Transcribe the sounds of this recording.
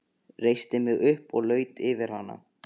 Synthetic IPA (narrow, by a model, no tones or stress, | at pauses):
rejst̪ɪmɪɣʏhpɔɣlœːɥt̪ɪvɪɾ̥hanːa̰